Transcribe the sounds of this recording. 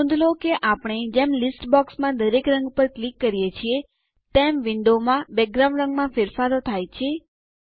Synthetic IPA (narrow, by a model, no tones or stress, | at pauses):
ũnd̪lokeʔapɽ̃ed͡ʒemlɪsʈbɔksmãd̪əɾekɾə̃ŋɡpəɾklikːəɾijet͡ʃʰie | t̪emʋɪɳɖomãbɛk̚ɡɾãɳɖɾə̃ŋɡmãfɪɾfaɾot̪ʰajt͡ʃʰie